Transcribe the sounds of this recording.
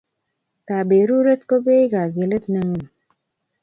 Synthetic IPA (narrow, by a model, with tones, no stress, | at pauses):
ka˨be˨ɾu˦ɾe˦t̪̚ko˦be˦ɡa˨ɡe˨lə˦t̪̚nə˨˦ŋə˦˨m